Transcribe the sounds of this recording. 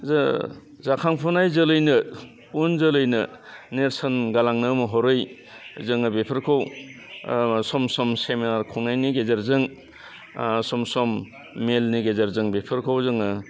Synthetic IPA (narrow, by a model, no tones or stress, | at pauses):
za | zakʰaŋpʰɔnajzɯlɯjnɯ | unzɯlɯjnɯneɾsanɡalaŋnɯmɯɦɔɾɯj | zɯŋɯbepʰɯɾkʰow | sɔmsɔmseminaɾkʰuŋnajniɡezaɾzɯŋ | sɔmsɔmː | elniɡezaɾzɯŋbepʰɯɾkʰawzɯŋɯ